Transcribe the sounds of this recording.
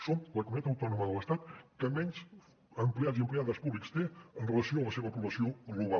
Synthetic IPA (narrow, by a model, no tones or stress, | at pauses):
sonləkumuit̪at̪əwt̪ɔnuməðələst̪at̪kəmɛɲʲz | əmpliaziəmpleaðəspuβlikst̪eənrələsioələseβəpuβləsioɣluβ̞a